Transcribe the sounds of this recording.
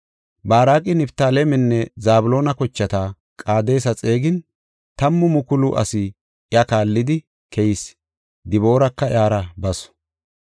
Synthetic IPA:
baːɾaːkʼɪnɪbt̪aːlemɛnːɛzaːbʊlo̞ːnɐkɔt͡ʃːɐt̪a | kʼaːd̪e̞ːsɐt͡sʼe̞ːɡɪn | t̪ɐmːʊmʊkʊlʊʔɐ̰sɪ | ʔɪɐkaːlːɪd̪ɪ | kʰɛjɪs | d̪ɪβo̞ːɾɐkːɐjaːɾɐbɐsɔ̥

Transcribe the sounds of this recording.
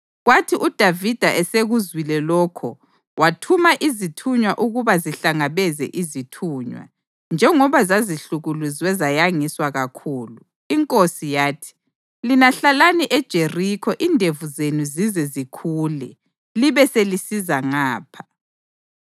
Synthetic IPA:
ɣwatʰiʔud̥ʱavid̥ʱaʔɛseɣuzwilɛlɔːkʰɔ̰ | watʰumaʔizitʰuɲwaʔuɣuβaziɬaŋaβɛzɛ̰ʔizitʰuːɲwa̰ | nd͡ʒʱɛŋɔβazaziɬuɣuluziwɛzajaŋiswaɣakʰuːlu | iŋkʼosijaːtʰi̥ | linaɬalaniʔɛd̥ʒ̥ʱerikʰɔʔindʱevuzenuzizɛzikʰuːlɛ | liβɛselisizaŋaːpʰḁ

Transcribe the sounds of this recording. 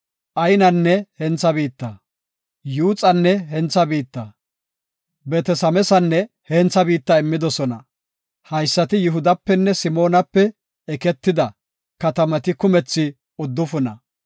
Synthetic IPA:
ʔɐjnɐnːɛhɛnt͡sɐbiːt̪ːɐ | juːt͡sʼɐnːɛɦɛnt͡sːɐbiːt̪ːɐ | bɛt̪ɛsɐmɛsɐnːɛ | hɛnt͡sːɐbiːt̪ːɐɪmːɪd̪ɔsɔnɐ | hɐjsːɐt̪ɪjʊɦʊd̪ɐpːɛnːɛsɪmo̞ːnɐpːɛ | ɛkɛt̪ːɪd̪ɐ | kɐt̪ɐmɐt̪ɪkʊmɛt͡sːɪ | ʊd̪ːʊfʊnɐ̰

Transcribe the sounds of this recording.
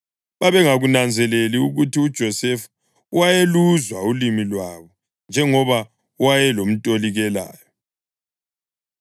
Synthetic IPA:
βaβɛŋaɣunand͡zʱɛleliuɣutiud̥ʒ̥ʱɔsɛfu | uwajeluzwaulimilwaβɔ | nd͡ʒʱɛŋɔβa | uwajɛlom̩tʼoliɣɛla̰ːjɔ

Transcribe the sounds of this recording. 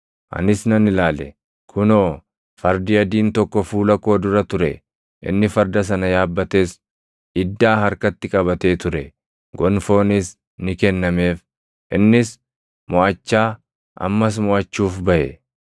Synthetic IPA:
ʔɐ̰nɪsnɐnɪlaːlɛ̰ | kʰʊnoː | fɐɾd̪ɪjɐd̪iːnt̪ɔkːɔfuːlɐko̞ːd̪ʊɾɐt̪ʊɾɛ̰ | ʔɪ̰nːɪfɐɾd̪ɐs̬ɐnɐjaːbːɐt̪e̞ːs | ɪd̪ːaːɦɐɾkɐt̪ːɪkʼɐβɐt̪e̞ːt̪ʊɾɛ | ɡɔnfo̞ːnɪs | nɪkɛnːɐme̞ːf | ʔɪnːɪs | mɔʔɐt͡ʃːaː | ʔɐ̰mːɐs̬mɔʔɐt͡ʃːuːfbɐʔɛ

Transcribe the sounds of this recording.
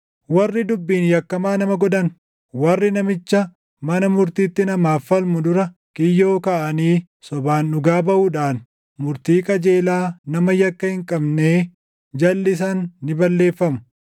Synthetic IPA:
wɐrːɪd̪ʊbːiːnjɐkːɐmaːnɐmɐɡɔd̪ɐn | wɐrːɪnɐmɪt͡ʃːɐ | mɐnɐmʊɾt̪iːt̪ːɪnɐmaːfːɐlmʊd̪ʊɾɐkʼɪjːo̞ːkɐʔɐniː | sɔbaːnːʊɡaːbɐʔuːᶑaːn | mʊɾt̪iːkʼɐd͡ʒeːlaːnɐmɐjɐkːɐhɪŋkʼɐbneː | d͡ʒɐlːɪs̬ɐnːɪbɐlːeːfːɐmʊ̥

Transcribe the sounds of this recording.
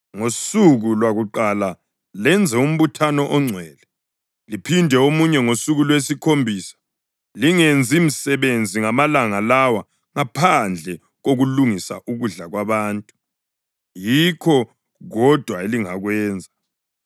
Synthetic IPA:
ŋosuɣulwaɣuǃala | lɛnd͡zʱɛum̩βutʰanɔʔɔŋ͡ǀʱwɛːlɛ | lipʰindʱɛomuɲɛŋosuɣulwesikʰombʱiːsḁ | liŋend͡zʱim̩sɛβend͡zʱiŋamalaŋalawa | ŋapʰand͡ɮʱɛ | ɣoɣuluŋisaʔuɣuɮaɣwaβaːntʼu̥ | jikʰɔ | ɣɔd̥ʱwaeliŋaɣwɛːnd͡zʱa

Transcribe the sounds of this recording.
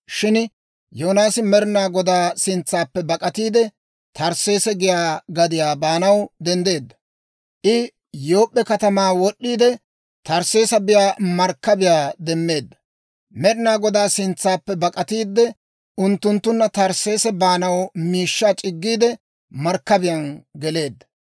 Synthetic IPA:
ʃɪn | joːnaːsɪmɛɾɪnaːɡɔd̪aːsɪnt͡sːaːpːɛbɐkʼɐt̪iːd̪ɛ | t̪ɐɾse̞ːsɛɡɪjaːɡɐd̪ɪjaːbaːnɐwd̪ɛnd̪e̞ːd̪ːɐ | ʔɪ | joːpʼːɛkɐt̪ɐmaːwɔɗːiːd̪ɛ | t̪ɐɾse̞ːsɐbɪjaːmɐɾkːɐbɪjaːd̪ɛmːe̞ːd̪ːɐ | mɛɾɪnaːɡɔd̪aːsɪnt͡sːaːpːɛbɐkʼɐt̪iːd̪ːɛ | ʊnt̪ːʊnt̪ːʊnːɐt̪ɐɾse̞ːsɛbaːnɐwmiːʃːaːt͡ʃʼɪɡːiːd̪ɛ | mɐɾkːɐbɪjɐnɡɛle̞ːd̪ːɐ̥

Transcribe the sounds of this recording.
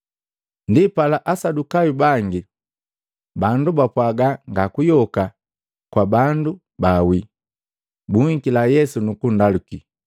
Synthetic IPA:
ndipalaʔasadukajubaŋɡi | bandubapwaɡaŋɡakujɔka | kwabandu | bawi | buŋikilajɛsunukundaluki

